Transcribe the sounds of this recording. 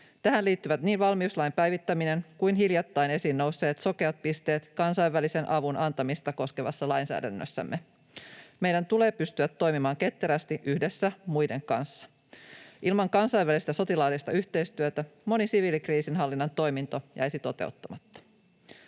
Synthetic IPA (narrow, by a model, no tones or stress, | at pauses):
t̪æɦænliːt̪ːyʋæt̪niːnʋɑlmiuslɑjmpæjʋit̪ːæmine̞ŋkujnɦiljɑt̪ːɑjne̞siːnːo̞wsːe̞ːt̪so̞ke̞ɑt̪̚pist̪e̞ːt̪kɑnsɑiʋːælise̞nʔɑʋunʔɑnt̪ɑmist̪ɑko̞skeʋɑ̰sːɑlɑjnsæ̰ːdæ̰nːø̰sːæ̰mːe | mejdænt̪ule̞ːpyst̪yæt̪ːo̞jmimɑːŋke̞t̪ːeɾæst̪iʔyhdesːæmujde̞ŋkɑ̰nsːɑ̥ | ʔilmɑŋkɑnsɑjʋælist̪æso̞t̪ilɑːlist̪ɑyçt̪e̞jst̪yøt̪æmo̞nisiʋiːlikriːsinɦɑlːinːɑnt̪o̞jmint̪o̞jɑesit̪o̞t̪e̞̰ut̪ːɑmɑt̪ːɑ̥